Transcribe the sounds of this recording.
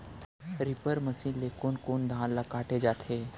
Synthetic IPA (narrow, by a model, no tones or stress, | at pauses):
ɾɪpəɾməsĩnlekoːnkoːnd̪ʱãːnlakaːʈed͡ʒaːt̪ʰeː